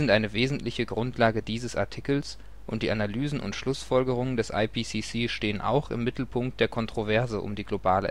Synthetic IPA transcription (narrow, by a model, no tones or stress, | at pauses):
ɪntʔaɪnəveːzn̩tlɪçəɡʁʊntʰlaːɡədiːzəsʔa̰ɐtʰikl̩s | ʔʊnt̚d̥iːʔanalyːzn̩ʔʊ̰ntʃlʊsfɔlɡəʁ̞ʊŋəndɛsʔa̰ɪpʰisisiːʃteːənʔa̰ʊxɪ̰mːɪtl̩pʰʊŋk̚t̚d̥eːɐkʰɔntʁ̥ovɛɐzəʔʊ̰mdiːɡlobaːlə̰